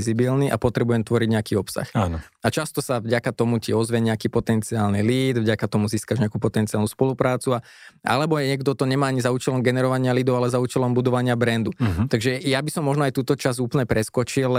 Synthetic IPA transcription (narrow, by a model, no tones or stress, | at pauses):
zibilniʔa̰pɔt̪ɾɛbujɛmt̪ʋɔɾiɟɲɛakiːɔpsa̰xaːnat͡ʃast̪ɔsavɟakat̪ɔmuciɔzʋɛɲɛakiːpɔt̪ɛnt͡siaːlniliːd̪vɟakat̪ɔmuziːskaʒɲɛakupɔt̪ɛntt͡sialnuːspɔlupɾaːt͡sua | a̰lɛbɔɲɛɡd̪ɔt̪ɔɲɛmaːaɲizauːt͡ʃɛlɔmɡɛnɛɾɔʋaɲɪaliːd̪ɔʊalɛzauːt͡ʃɛlɔmbud̪ɔʋaɲɪabɾɛnd̪ut̪aɡʒɛjabisɔmːɔʒnɔajt̪uːt̪ɔt͡ʃazuːpl̩ɲɛpɾɛskɔt͡ʃil